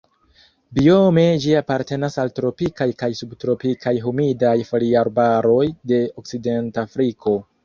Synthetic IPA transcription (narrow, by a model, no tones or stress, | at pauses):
bio̞me̞d͡ʒiapaɾte̞nasaltɾo̞pikajkajsubtɾo̞pikʰajɦumidajfoliaɾbaɾo̞jde̞ok̚t͡side̞ntafɾikʰo̞